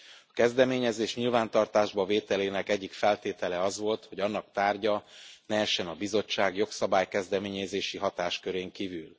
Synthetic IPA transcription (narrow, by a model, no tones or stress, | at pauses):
ɒkɛzd̪ɛmeːɲɛzeːʃɲilvaːnt̪ɒrt̪aːʒbɒveːt̪ɛleːnɛkɛɟːikfɛlt̪eːt̪ɛlɛɒzʋo̞lt̪ho̞ɟɒnːɒk̚t̪aːrɟɒnɛɛʃɛnɒbizo̞t͡ʃːaːɡjo̞ksɒbaːjkɛzd̪ɛmeːɲɛzeːʃiɦɒt̪aːʃkøɾeːŋkivyl